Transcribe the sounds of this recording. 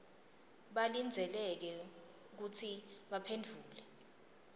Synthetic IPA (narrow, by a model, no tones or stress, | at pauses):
ɓalind͡zʱɛlɛk̬ɛ | uk̬ut͡sʰiɓapʰendʱuːlɛ